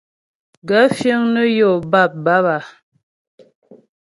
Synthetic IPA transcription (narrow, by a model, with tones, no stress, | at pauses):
ɡa˨˦fjə˦ŋnə˦jo˨ba˦˨p̚ba˦ba˨